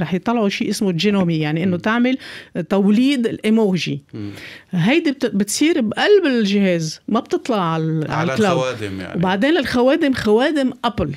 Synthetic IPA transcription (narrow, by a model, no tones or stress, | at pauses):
ɾˤɑːħjt̪ˤːɑlʕuʃiːʔɪsmʊʒɪnoːmijaʕniʔɪnːot̪aʕmɪlt̪awliːd̪ɪlʔemoːʒḭ | ɦajd̪ibɪt̪sˤiːɾbʔalbɪlʒɪheːzmabt̪ɨt̪ˤlɑʔʕalʕalklawd̪̰wbaʕd̪eːnɪlxaweːd̪ɪmxaweːd̪ɪmʔapl